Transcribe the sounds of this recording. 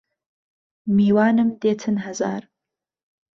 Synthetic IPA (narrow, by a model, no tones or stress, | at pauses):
miːwaːnɨmd̪eːt̪ʰɨnɦɐza̰ːɾ